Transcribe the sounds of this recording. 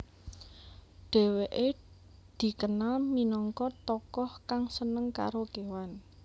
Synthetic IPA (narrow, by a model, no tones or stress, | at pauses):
ɖ̥e̤weʔe | d̪̥i̤kənalminɔŋkɔt̪ɔkɔhkaŋsənəŋka̰ɾokewan